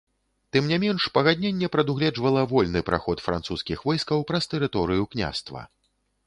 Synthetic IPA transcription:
t̪ɨmnʲamʲɛnʂpɐɣad̪ʲnʲenʲːɛpɾɐd̪uɣlʲɛd͡ʐvɐlˠɐvɔlʲnɨpɾa̰xɔt̪fɾa̰nt̪suskʲixvɔjskɐwpɾɐst̪ɛɾɨt̪ɔɾɨjuknʲa̰st̪vɐ̰

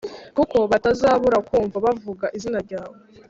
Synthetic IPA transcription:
kuko̞βatazaːβuɾakuːɱvaβavuɡaʔizinaɾɟaːβo̞

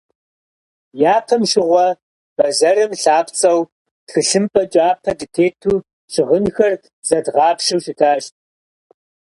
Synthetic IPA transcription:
jaːpʰɐmʃɪʁʷɔ | b̥ɐzɐrɨmɬaːpt͡sʼɐw | txɨɬɨmpʼɐt͡ʃʼaːpʰɐdɨtʰeːtʰuː | ʃɪʁənxɐr | z̥ɐdʁɑːpʃɨwʃɪtʰaːʃt̚ʼ

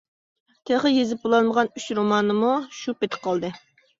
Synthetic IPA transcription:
t̪ʰeχəjezɪp̚bolˠɑnməʁɑnyt͡ʃɾomɑːnɨmuʃupet̪ʰɪ̥qʰɑlˠd̪ɨ

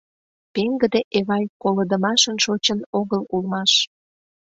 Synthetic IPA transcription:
peŋɡəd̪eʔeβɑjkoləd̪əmɑʃənʃot͡ɕənoɣəlulmɑʃ

